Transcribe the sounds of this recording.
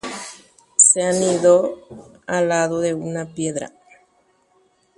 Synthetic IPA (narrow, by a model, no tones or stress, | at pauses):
seaniðo | alaðoðeunapjeðɾa̰